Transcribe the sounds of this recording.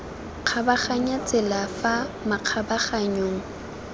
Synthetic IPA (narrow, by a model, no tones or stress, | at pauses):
q͡χʰabaχaɲat͡sʼɪlafamaq͡χʰabaχaɲoːŋ̩